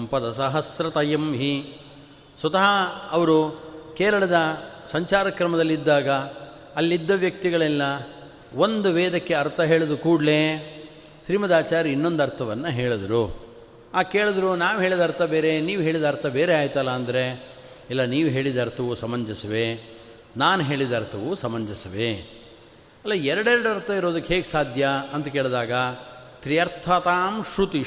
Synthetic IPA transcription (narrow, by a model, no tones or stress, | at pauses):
mpɐd̪ɐsɐɦɐsɾɐt̪ɐjɐmɦi | sʋɐt̪ɐɦɐɐʋɐɾukeːɾɐɭɐd̪ɐsɐɲt͡ʃaːɾɐkɾɐmɐd̪ɐlːid̪ːaːɡɐː | lːid̪ːɐʋjɐkt̪iɡɐɭɛlːɐ | ʋo̞nd̪uʋeːd̪ɐkːeɐɾt̪ʰɐɦeːɭud̪ukuːɽle | ʃɾiːmɐd̪aːt͡ʃaːɾiːnːo̞nd̪ɐɾt̪ʰɐʋɐnːɐɦeːɭud̪ɐɾu | aːkeːɭɐd̪ɐɾunaːʋɦeːɭid̪ɐɾt̪ʰɐbeːɾeniːʋɦe̞ːɭid̪ɐɾt̪ʰɐbeːɾeaːjt̪alːɐːnd̪ɐɾe̞ | ɛlːɐniːʋuɦe̞ːɭid̪ɐɾt̪ʰɐʋusɐmɐɲd͡ʒɐsɐʋe | naːnuɦe̞ːɭid̪ɐɾt̪ʰɐʋusɐmɐɲd͡ʒɐsɐʋeː | ɐlːɐɛɾɐɽɛɾɐɽuɐɾt̪ʰɐiɾo̞ːd̪ɐkːɦeːɡsaːd̪ʱjɐɐnt̪ɐke̞ːɭɐd̪aːɡɐt̪ɾijɐɾt̪ʰat̪aːmʃɾut̪i